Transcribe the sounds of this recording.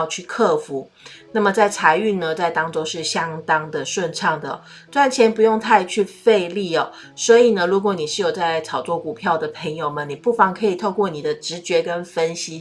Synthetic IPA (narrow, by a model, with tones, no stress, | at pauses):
ʊt͡ɕʰy˥˧kʰɤ˥˩fu˧˥ | na˥˩mə˩t͡sa˥˩ɪt͡sʰa˧˥ɪy˥˩nnə˧t͡sa˥˩ɪt̪ɑ˥ŋʈ͡ʂo˥ʊʂɻ̩˥˩ɕjɑ˥ŋt̪ɑ˥ŋd̪ə˨ʂwə˥˧nʈ͡ʂʰɑ˥˩ŋd̪ə̰˩ | twa˥˩nt͡ɕʰjɛ˧˥npu˧˥jo˥˧ŋt̪ʰa˥˧ɪt͡ɕʰy˥˧fe˥˧ɪli˥˩ɔ˨˩ | swɔ˧˥i˨˩nə˦ɻu˧˥kwɔ˨˥˦ni˨˩ʂɻ̩˥˩jo˨˩ʊt͡sa˥˩ɪt͡sʰɑ˨˩ʊt͡swɔ˥˩ku˨˩pʰjɑ˥˩ʊd̪ə˩pʰə˧˥ŋjo˨˧ʊmə˨ni˨˩pu˥˩fɑ˧˥ŋkʰɤ˧˥i˨˩t̪ʰo˥˧ʊkwɔ˥˩ni˨˩d̪ə˦ʈ͡ʂɻ̩˧˥t͡ɕɥɛ˧˥kə˦˥nfə˥nɕi˥